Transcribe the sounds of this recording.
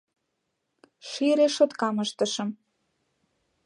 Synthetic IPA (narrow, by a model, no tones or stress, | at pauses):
ʃiɾeʃot̪kɑməʃt̪ə̆ʃə̆m